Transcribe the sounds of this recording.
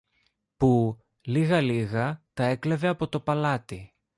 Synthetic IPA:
pu | liɣɐliɣɐt̪ɐe̞kle̞ve̞ɐpo̞t̪o̞pɐlɐt̪i

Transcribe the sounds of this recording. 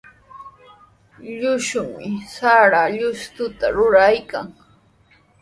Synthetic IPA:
ʎʊʃʊmɪsaɾaʎʊst̪ʊt̪a̰ɾʊɾajkaŋ

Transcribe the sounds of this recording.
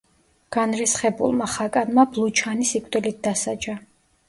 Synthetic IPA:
ɡ̥anɾɛsχɛbṵlˠmaχakʼanmablˠut͡ʃʰanisikʼd̪ɛlit̪̚d̪asad͡ʒa

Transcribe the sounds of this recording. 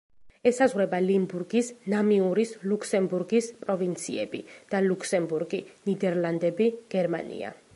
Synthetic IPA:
ɛsazʁwɾɛbalimbuɾɡisnamiuɾislukʰsɛmbuɾɡispʼɾɔvint̪sʰḭɛ̰bḭd̪̥alukʰsɛmbuɾɡinid̪ɛɾlˠand̪ɛbiɡ̥ɛɾma̰nḭa̰

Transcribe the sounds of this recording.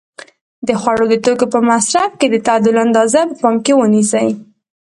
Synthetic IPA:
d̪əxwaɽod̪ət̪okopəmasɾafked̪ət̪ad̪ʊland̪ɑzapəpɑmkewənisəj

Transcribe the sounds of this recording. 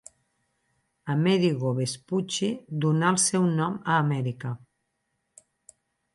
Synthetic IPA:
amɛðiɣoβesput͡ʃid̪unaəlˠsɛwnɔməːmɛɾika

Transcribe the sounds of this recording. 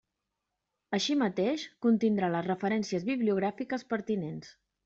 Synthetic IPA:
əʃimət̪eʃkunt̪ind̪ɾaləzrəfəɾɛnsiəzβiβliuɣ̞ɾafikəspəɾt̪inens

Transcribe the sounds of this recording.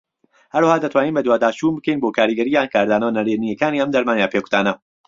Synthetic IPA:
hɐɾwɐhaːd̪ɐt̪ʰwaːniːnbɐd̪waːd̪aːt͡ʃuːnbɨkejnboːkʰaːɾiɡɐɾiːjaːnkʰaːɾd̪aːnɐwnɐɾenijɐkaːniːɐmd̪ɐɾmaːnjaːpeːku̥t̪aːnɐ

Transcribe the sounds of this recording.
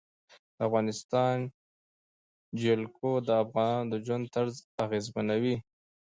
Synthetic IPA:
d̪afɣɑnɪst̪ɑn | d͡ʒelkod̪əafɣɑnɑnd̪əʒwand̪̚t̪aɾzaɣezmanawi

